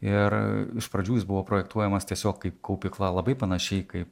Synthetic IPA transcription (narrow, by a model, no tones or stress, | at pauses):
ɪrɪʃpɾɐd͡ʒʲuːsbʊʋoːpɾoːjɛkt̪uɔjɛmɐst̪ʲiɛsʲoːkːɐɪpkɐʊpʲɪklˠɐlˠɐbɐɪpɐnɐʃʲɛɪkɐɪp̚